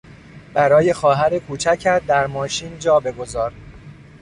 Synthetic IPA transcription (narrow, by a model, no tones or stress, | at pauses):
b̥æɾɒːje̞xɒːɦæɾekʰuːt͡ʃʰæcʰæd̪æɾmɒːʃiːnd͡ʒɒːbe̞ɡo̞zɒːɾ